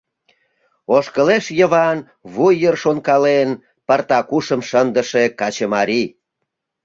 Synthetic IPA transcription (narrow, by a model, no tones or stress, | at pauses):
oʃkəleʃjəβɑn | βujərʃonkɑlen | pərt̪ɑkuʃəmʃənd̪əʃekɑt͡ɕəmɑɾi